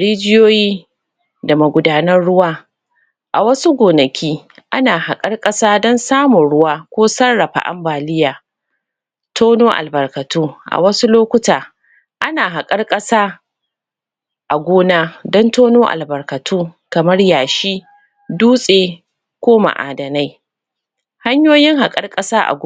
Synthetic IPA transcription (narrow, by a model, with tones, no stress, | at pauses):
ɽeː˦d͡ʒɪ˦joː˦jiː˦ | da˨mɐ˨ɡʷʊ˨daː˨nɐ˦rɽʊ˦waː˦ | ʔa˨wɐ˦su˦ɡʷoː˨nɐ˨kʲʰiː˦ʔa˦naː˨ha˨kʼɐ˦rkʼɐ˦saː˦dɔ˦nsaː˦mʊ˨ɽʊ˦waː˦kʷoː˦sɐ˦rːɐ˨ɸa̰˨ʔa̰˦mbaː˨lɪ˦jaː˨ | tʰoː˦noː˦ʔa̰˨lbɐ˨rkɐ˨tuː˦ʔa̰˨wɐ˦su˦loː˦kʷʊ˦taː˨ | ʔa˦naː˨ɦa˨kʼɐ˦rkʼɐ˦saː˦ | ʔa˨ɡʷoː˦naː˦dɔ˦ntoː˦noː˦ʔa̰˨lbɐ˨rkɐ˨tʰuː˦kɐ˨mɐ˦rjaː˨ʃiː˦ | duː˦sʼeː˨ | kʷoː˦ma̰˨ʔa̰ː˨dɐ˨na˦j | ha˦ɲjoː˦jɪ˦ŋɦa˨kʼɐ˦rkʼɐ˦saː˦ʔa̰˨ɡʷ